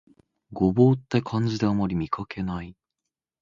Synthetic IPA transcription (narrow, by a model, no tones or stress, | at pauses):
ɡo̞bo̞ːt̪ːekʰãɲ̟d͡ʑid̪e̞amaɾʲimʲikʰakʰe̞nai